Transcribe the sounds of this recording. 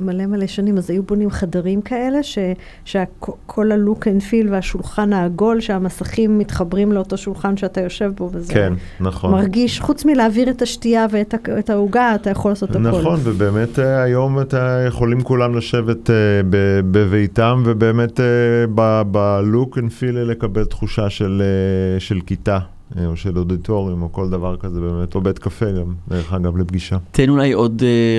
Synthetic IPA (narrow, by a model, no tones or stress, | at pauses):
male̞maleʃanimazajubo̞nimχadaʁimkʰae̞le̞ʃe̞ | ʃeakokʰo̞lalukenfilveaʃulχanaːɡo̞lʃeamasaχimːitχabʁimleoto̞ʃulχanʃeatajo̞ʃe̞vbo̞vezkeenːaχomaʁɡiʃχut͡smileaviʁetaʃtiaveetaetauɡaːtajaχo̞laːso̞taknaolonvebe̞ːmeteajo̞matajeχo̞limkulamlaʃe̞vet̪ebebevejtamvebe̞ːmetebabaluknfilele̞kabeltχuʃaʃeleʃe̞lkita | oʃeloditʰo̞ʁimoko̞ldavaʁkazebe̞ːmetoved̪kafeɡamdeʁeχaɡavlebɡiʃat̪enulajod̪